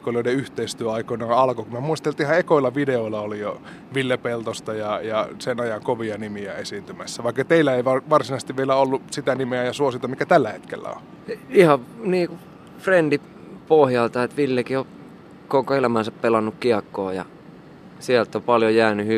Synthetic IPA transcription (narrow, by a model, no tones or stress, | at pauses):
kolioˑideyht̪eist̪yøɑikonɑɑlkokumæmuist̪elt̪iihɑekoilːɑʋideoilːɑolijo | ʋilːepelt̪ost̪ɑjɑjɑsenɑjɑŋkoʋiɑnimiæesint̪ymæsːæʋɑikːɑt̪eilːæeiʋɑʋɑrsinɑst̪iʋʋielæolːusit̪ænimeæjɑsuosit̪ɑmikæt̪ælːæhet̪kḛlːæ̰o̰ | ihɑniːku | frend̥i | pohjɑlt̪ɑet̪ʋilːekio | kokoelæmænsæppelɑnːukkiɑkːoːjɑ̰ | siælt̪ːopɑljojæːnyhy